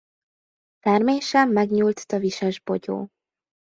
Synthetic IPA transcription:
t̪ɛrmeːʃɛmːɛɡɲuːlt̪t̪ɒviʃɛʒbo̞ɟo̰ː

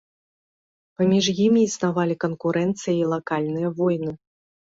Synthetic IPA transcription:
pamʲiʐjimʲiːsnavalʲikɐnkuɾɛnt̪sɨjɐilˠakalʲnɨjɐvɔjnɨ

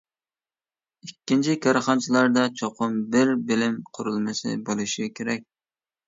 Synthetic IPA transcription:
ikʲːint͡ʃʰikʰɑɾχɑnt͡ʃʰilˠɑɾd̪ɑt͡ʃʰoqʰʊmbɪɾbɪlɪmqʰʊɾulˠmɨsɨ̰bolˠuʃikʲʰeɾɛk̚ʲ

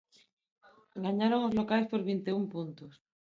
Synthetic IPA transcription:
ɡaɲaɾoŋozlokaespo̞ɾβint̪eumpunt̪os

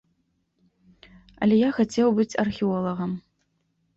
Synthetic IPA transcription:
ɐ̰lʲɛjaxat͡sʲewbɨt͡sʲɐrxʲiɔlˠɐɣɐm

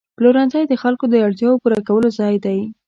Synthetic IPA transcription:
ploɾɑnzɑjd̪əxalkod̪əaɽt̪jɑwopuɾakawəlozɑjd̪aj

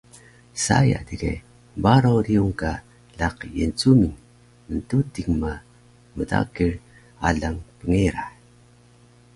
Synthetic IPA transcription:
sa̰ja̰dikḛ | baɾoɾiuŋka | laqjənt͡sumiŋ | məntutiŋma | məta̰kir | aɮaŋpəŋeɾa

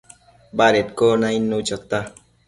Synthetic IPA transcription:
baɾetkɔnainːot͡ʃɔt̪a

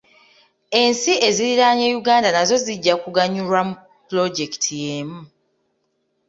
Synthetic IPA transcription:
e̞nsiʔe̞ziɾiɾaːɲejuɡaːndanazo̞ziɟːakuɡaɲuɾwamu | plo̞ɟe̞ki̥tʰijeːmu

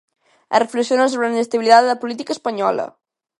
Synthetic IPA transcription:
ə̰rəfləksionasoβɾəninəst̪əβiliðaələpulit̪ikəːspəɲɔ̰lə̰

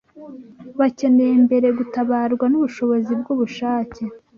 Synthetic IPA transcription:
βace̞nejembe̞ɾe̞ɡutaβaːɾɡwanuβuʃo̞βo̞zibɡuβuʃaːce

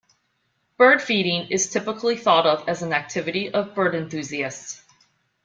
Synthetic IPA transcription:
b̥ɜ˞d̥fiɾɪ̃ŋɨz̥tʰɪpəkʰliθɔɾʌvɨzn̩æk̚tʰɪvɨɾiʔʌvbɜ˞ɾɨ̃nθʉziɨsts

